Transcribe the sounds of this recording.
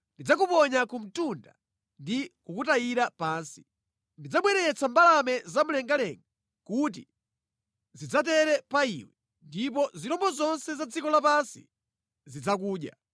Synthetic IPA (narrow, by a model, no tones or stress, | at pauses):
ndid͡zak̬upɔɲakum̩tunda̰ | ndikukutaiɾapaːnsi̥ | ndid͡zaɓwɛɾɛt͡sambalamɛzamulɛŋɡalɛŋɡa | kut̬i | zid͡zatɛɾɛpaḭwɛ | ndip̬ɔziɾɔmbɔzɔnsɛzad͡zikɔlapansḭ | zid͡zak̬uːɗja̰